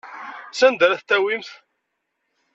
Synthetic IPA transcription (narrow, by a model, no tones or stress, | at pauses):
sænd̪ɾæθt̪ːæwimθ